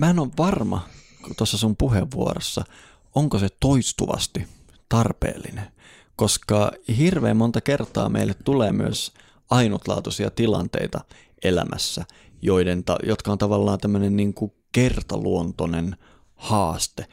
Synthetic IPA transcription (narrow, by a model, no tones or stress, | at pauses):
mæːnoʋʋɑrmɑ̰ | t̪osːɑsumpuɦeʋːuo̰rosːɑ | oŋkoset̪oist̪uʋɑ̰st̪i | t̪ɑrpḛːlːine | koskɑhirʋeːmmont̪ɑkert̪ˑɑ̰ːmḛilːet̪t̪uleːmyøs | ɑinut̪lɑ̰ːt̪usiɑ̰t̪ilɑ̰nt̪ḛit̪ɑ | elæ̰mʔæ̰sːæ | joident̪ɑ̰jot̪kɑont̪ɑʋɑlːɑːnt̪æmːønenniːŋku | kert̪ɑluont̪onen | hɑːst̪e